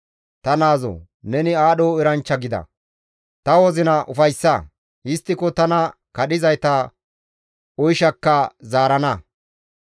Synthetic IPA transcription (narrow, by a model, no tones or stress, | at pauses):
t̪ɐnaːzɔ̰ | nɛnɪaːɗoːɪɾɐnt͡ʃːɐɡɪd̪ɐ̰ | t̪ɐwɔzɪnɐʔʊfɐjsːɐ | ɪst̪ːɪkɔt̪ɐnɐkɐɗɪzɐjt̪ɐ | ɔjʃɐkːɐzaːɾɐnɐ